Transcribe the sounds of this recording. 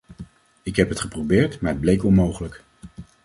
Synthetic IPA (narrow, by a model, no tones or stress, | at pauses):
ɪkɦɛpɦətχəprowbɪːɹtmaːblejkɔnmowχələk